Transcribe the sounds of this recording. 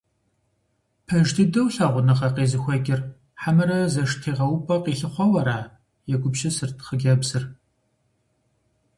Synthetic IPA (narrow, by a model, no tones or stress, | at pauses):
pʰɐʒdʰɨdɐwɬɐːʁʷʊnɐχɐqeːzɨxʷɐɡʲʼɪr | ħamɐɾɐzɐʂtʰeːʁɐwpʼɐqiːɬɨχʷɔwɐɾaː | jɛɡʷʼʊpʃɐsɨrtʰχəɡʲɐbzɨr